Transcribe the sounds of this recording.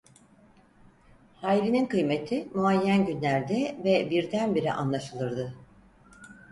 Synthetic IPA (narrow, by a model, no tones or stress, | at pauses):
hajɾininkʰɯjme̞t̪ʰimuajːænɟynlʲæɾd̪ɛvɛbiɾd̪ænbiɾḭʔa̰nlˠaʃɯlˠɯɾd̪ɯ